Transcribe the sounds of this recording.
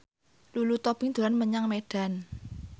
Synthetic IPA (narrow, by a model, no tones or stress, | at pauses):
lulut̪ɔb̥iŋd̪̥o̤lanməɲaŋmeɖ̥a̤n